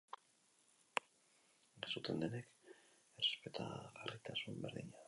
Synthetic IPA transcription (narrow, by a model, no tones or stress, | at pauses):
ɡesut̪end̪enek | erespet̪ʰa̰ɣarit̪asumbe̞ɾðiɲa